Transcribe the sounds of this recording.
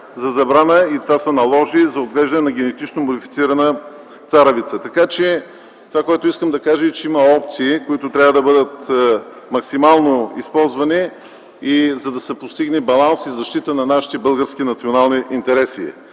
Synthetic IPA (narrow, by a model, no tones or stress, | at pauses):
zɐzɐbɾanəit̪vasɐnɐlˠɔʒizɐod̪ɡlɛʒd̪ɐnɛnɐɡʲɛnɛt̪it͡ʃnomod̪ifit̪siɾɐnə | t̪saɾəvit̪sət̪ɐkat͡ʃɛ | t̪ovakoɛt̪ʊiskəmd̪ɐkaʒəit͡ʃɛimɐɔp̚t̪siːkoit̪ʊt̪ɾʲavəd̪ɐbɤd̪ət̪ | mɐksimalˠnoispɔlˠzvɐniː | zɐd̪ɐsɛpost̪iɡnɛbɐlˠansizɐʃt̪it̪ənɐnaʃi̥t̪ɛbɤlˠɡəɾsk̟inɐt̪sionalˠniʔint̪ɛɾɛsḭ